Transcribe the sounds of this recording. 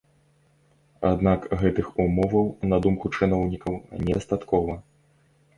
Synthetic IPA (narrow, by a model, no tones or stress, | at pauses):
a̰d̪nakɣɛt̪ɨxumɔvɐwnɐd̪umkut͡ʂɨnɔwnʲikɐwnʲɛɐst̪at̪kɔvɐ